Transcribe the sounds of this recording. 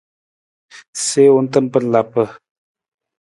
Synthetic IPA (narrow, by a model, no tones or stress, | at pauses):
seont̪ənpərlapə